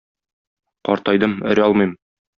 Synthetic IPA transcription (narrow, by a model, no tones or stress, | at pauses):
qɒ̰ɾt̪ɑjd̪ɤmɘ̰̆ɾɒlˠmɤjm